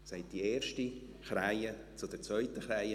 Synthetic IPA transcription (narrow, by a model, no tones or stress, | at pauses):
saɪt̚d̥ieːɾʃti | χɾaɪə | t͡sʊd̥̪ɛɾt͡svœʏtəχɾaɪə